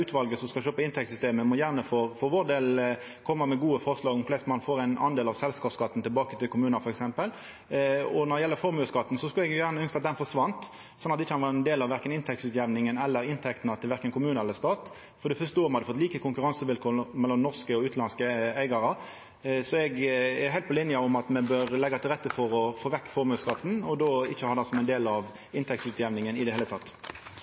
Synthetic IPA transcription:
ʉːt̪ʰʋɑlɡəsɔskɑlʃøːpɑɪnt̪ʰɛkt̪sʏst̪eːməmɔjæːʁnəfoːʁfɔʋoːɾd̪eːl | kʰɔmːəmɛɡuːəfɔʁʂlɑːɡɔmflɛst̪mɑnfoːɾæɪnɑ̰nd̪eːlɑʋsɛlskɑːpskɑt̪ːn̩t̪ʰɪlbɑːkət̪ɪlkʰʊmʉːnəfɔɾɛksɛmpəl | ɔnɔd̪ɛjɛlːəfɔɾmʉːəskɑt̪ːn̩sɔskʉlɛɡjjæːʁnəʏnsɑt̪̚d̪ɛnfɔʂʋɑnt̪ | sɔnːɑt̪ɪçːəhɑnʋɑɾɛnd̪eːlɑʋæɾkənɪnt̪ʰɛk̚t̪sʉːt̪jɛʋnɪŋənɛlːəɾɪnt̪ʰɛkt̪ənɑt̪ʰɪlʋæɾkənkʰʊmʉːnəɾɛləst̪ɑːt̪ | fɔd̪ɛfœst̪əoːʁmhɑd̪ːəfɔt̪ːliːkəkʰʊŋkʉʁɑnsəʋɪlkʰoːmɛlːɔmnɔʁskəɔʉːt̪lɑnskəæɪɡɑɾɑ | sɔɛɡɛhæɪt̪̚pɔlɪnjəʊmɑt̪mɛbøːɾlɛɡːɑt̪ɪlʁɛt̪ːəfɔɾɔfoːʋɛkːfɔɾmʉːskɑt̪ːn̩ɔd̪oːɪçːəhɑːd̪æsɔmæɛɪnd̪eːlɑʋ | ɪnt̪ʰɛkt̪sʉːt̪jɛʋnɪŋənɪd̪ɛheːlət̪ʰɑt̪ː

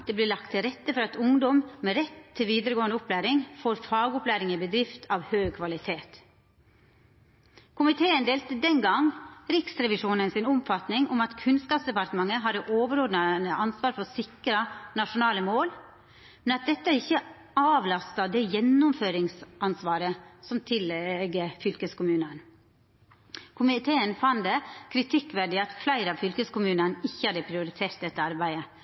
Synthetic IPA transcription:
d̪̥eːblɪːlɑk̚t̪ʰːɪlɾɛt̪ːəfɔɾɑt̪ʊŋd̪ɔmmɛɾɛt̪ʰːɪlʋiːd̪əɾəɡoːənd̪ʊplæːɾɪŋfoːɾfɑːɡʊplæːɾɪŋɪbəd̪ɾɪft̪ʰɑːʋhøːɡ̚kʰʋɑlɪt̪ʰeːt̪ | kʰʊmɪt̪ʰeːənd̪eːlt̪əd̪ɛnɡɑŋɾɪksɾɛʋɪʂuːnənsɪnʊmfɑt̪nɪŋʊmɑt̪kʰʉnskɑːpsd̪ɛpɑɾʈ̪əmɑŋːəɦɑːɾəʔoːʋəɾoːd̪nənəʔɑnsʋɑːɾfɔsɪkːəɾənɑʂʊnɑːləmoːl | mɛnɑt̪̚d̪ɛt̪ːəæɾɪçːə | ɑːʋlɑst̪ɑd̪ɛjɛnːʊmføːɾɪŋsɑnsʋɑːɾəsɔmt̪ʰɪlɛɡəfʏlkəskʊmʉːnən | kʰʊmɪt̪ʰeːənfɑnd̪əkʰɾɪt̪ʰɪkːʋæɖɪɑt̪flæɪɾəɑʋfʏlkəskʊmʉːnənɪçːəhɑd̪əpʰɾɪʊɾɪt̪ʰeːɾt̪̚d̪ɛt̪ːəɑɾbæɪə

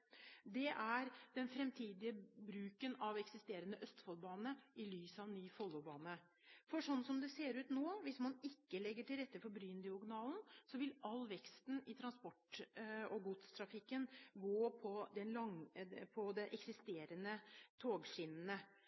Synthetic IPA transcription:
d̪ɛʔæɾd̪̥ɛnfɾɛmt̪ʰiːd̪ɪəbɾʉːkənɑʋɛksɪst̪eːɾənəʔœst̪fɑlbɑːnəɪlyːsəɑʋnyːfɔlːʊbɑːnə | fɔʂɔnsɔmd̪ɛseːɾʉːt̪noːʋɪsmɑnɪkːəlɛɡːəʈɪlɾɛt̪ːəfɔɾbɾyːnd̪ɪʊɡnɑːlnsɔʋɪlɑlʋɛkst̪n̩ɪt̪ʰɾɑnspɔʈ | ɔɡut̪st̪ʰɾɑfɪkːənɡoːpʰɔd̪ɛnlɑŋpʰɔd̪ɛʔɛksɪst̪eːɾənət̪ʰoːɡʂɪnnə

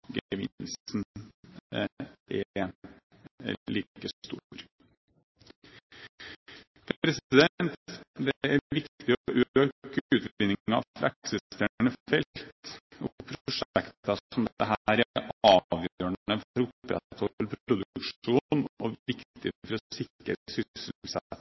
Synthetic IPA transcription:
ɡəʋɪ̰lsn | ɛ | liːkət̪ṵɾ | pɾɛsɪd̪ɛnt̪d̪ɛæʋɪkt̪ɪɔʔøøkʉːt̪ɪnːɪŋɑ̰ʋpʰɾɑ̰ksɪt̪æɳəfɛlt̪ɔpʰɾʊʂɛkt̪ɑɔmd̪ɛɦæːɾæʔɑːʋjøːəɳɳəfɾʊpːɾɛ̰t̪ʰhɔəpʰɾɾʊd̪ʉkʂuːnɔɪkt̪t̪ɪfɔɾɔsɪkːəɾsʏsəs

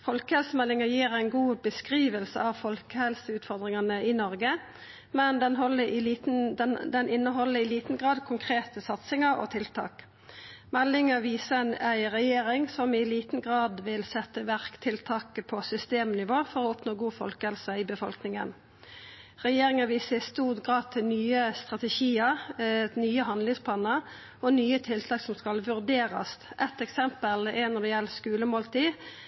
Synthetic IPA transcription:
fɔlkəhɛlsəmɛlːɪŋəjiːʁæɪnɡuːbəskʁiːʋəlsə̰ɑʋfɔlkəhɛlsəʉːt̪fɔʁd̪ʁɪŋɑnəɪnɔʁɡə | mɛnd̪ɛnɔlə | d̪ɛnɪnːəɦɔlːəɪliːt̪n̩ɡʁɑːd̪kʰʊŋkʰʁeːt̪əsɑt̪sɪŋəʁɔ̰ːt̪ʰɪlt̪ʰɑ̰ːk | mɛlːɪŋəʋiːsəɛnæɪʁɛjeːʁɪŋsɔmɪliːt̪n̩ɡʁɑːd̪ʋɪlsɛt̪ːəʋæʁkt̪ʰɪlt̪ʰɑːkəpʰɔsʏst̪eːmnɪʋoːfɔɾɔːɔpnoːɡuːfɔlkəhɛlsɔɪbəfɔlknɪŋə̰n | ʁɛjeːɾʁɪŋəʋiːsəɪst̪uːʁɡʁɑːd̪̚t̪ʰɪlnyːəst̪ʁɑt̪ɛʃiːəʁnyːəɦɑnd̪lɪŋspʰlɑnəʁ | ɔnyːət̪ʰɪlt̪ʰɑːksɔmskɑlʋʉɾd̪eːʁɑ̰st̪ʔɛt̪ɛksɛmpəlɛɪnɔʁd̪ɛjɛlːskʉːləmoːlt̪ʰiː

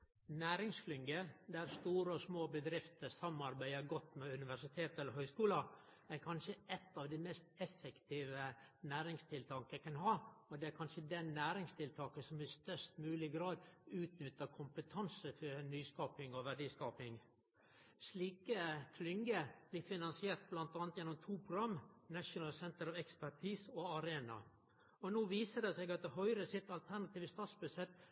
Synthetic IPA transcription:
næːɾɪŋskʰlʏŋɡəd̪æɾst̪uːɾəɔsmoːbəd̪ɾɪft̪əsɑmɑɾbæɪəɾɡɔt̪ːmɛʉnɪʋæʂɪt̪ʰeːt̪ɛləɾɦœʏskuːlɑ | æɾkʰɑnʃəʔɛt̪ːɑːʋd̪ɛmɛst̪ɛfɛkt̪ʰiːʋənæːɾɪŋst̪ʰɪlt̪ʰɑŋkəækɑnɦɑːɔd̪ɛæɾkʰɑnʃəd̪ɛnːæːɾɪŋst̪ʰɪlt̪ʰɑːkəsɔmɪst̪œʂt̪mʉːlɪɡɾɑːd̪ʉːt̪nʏt̪ːəkʰʊmpət̪ʰɑnsəfɔnyːskɑːpɪŋɔʋæɖiːskɑːpɪŋ | ʂɭiːkəfʰlʏŋɡəb̥liːfɪnɑnsɪeːɾt̪̚blɑnt̪ɑːnt̪jɛnːɔmt̪ʰuːpʰɾʊɡɾɑmːnæʂʊnɑlsɛnt̪əɾɑʋɛkspæʈʰiːsɔɑɾeːnɑ̰ | ɔnoːʋiːsəɖɛsɛɡɑt̪̚d̪ɛɦœʏɾəsɪt̪ːɑlt̪ʰæɾnɑt̪iːʋəst̪ɑːt̪sbʉsɛt̪ː

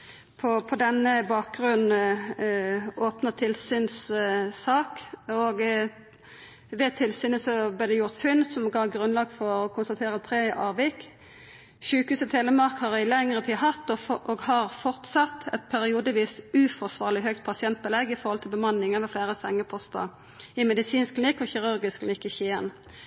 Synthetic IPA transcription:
pʰɔpʰɔd̪ɛnːəbɑːk̚ɡʁʉnn | oːpnət̪ʰɪlsyːnssɑːkɔɡ | ʋɛt̪ʰɪlsyːnəsɔblɛːʁd̪ɛjʊʁt̪fʏnsɔmɡɑɡɾʉnlɑːɡfɔɾɔkʰʊnst̪ɑt̪ʰeːɾət̪ʰɾeːʔɑːʋɪkː | ʃʉːkhʉːsət̪ʰeːləmɑʁkhɑʁɪlɛŋʁət̪ʰiːɦɑt̪ːɔʔoɡhɑʁfɔʁt̪sɑt̪ːɛt̪̚pʰæɾɪuːd̪əʋiːsʉfɔʁsʋɑːʁlɪɦœk̚t̪pʰɑsɪɛnt̪̚bəlɛɡːɪfɔɾhɔlt̪ʰɪlbəmɑnːɪŋɑʋəfleːɾəsɛŋːəpʰɔst̪ɑ̰ | ɪmɛd̪ɪsiːnsklɪnɪkːɔçɪʁʉɾɡɪskʰlɪnɪkːɪçiən

